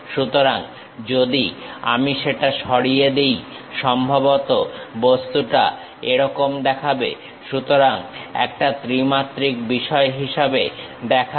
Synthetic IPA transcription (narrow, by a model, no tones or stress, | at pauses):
ʃut̪oɾaŋ | d͡ʑod̪ia̰miʃeʈaʃɔɽijed̪ej | ʃɔmbʱabot̪obost̪uʈa̰ | eɾɔkomd̪ɛkʰabḛ | ʃut̪oɾaŋɛ̰k̚ʈat̪ɾimat̪ːɾik̚biʃɔeɦiʃabḛd̪ɛkʰa